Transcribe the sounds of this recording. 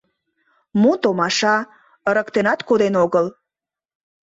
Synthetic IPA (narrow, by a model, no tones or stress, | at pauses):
mut̪omɑʃɑ | əɾəkt̪enɑt̪kod̪enoɣəl